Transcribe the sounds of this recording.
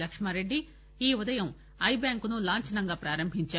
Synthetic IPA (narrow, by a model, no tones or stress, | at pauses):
lɐkʂmɐɾeɖːi | iːʋɔd̪ɐjɐ̃m | ɐjbjaːŋkunulaːɲt͡ʃɐnɐŋɡɐpɾaːɾɐmbʱiɲt͡ʃaː